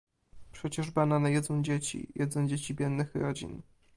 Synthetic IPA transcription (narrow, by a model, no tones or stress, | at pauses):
pʂɛt͡ɕɛʐbananajɛd̪zɔ̃w̃d͡ʑet͡ɕḭjɛd̪zɔw̃d͡ʑet͡ɕibʲjɛnːɘxɾɔd͡ʑḭn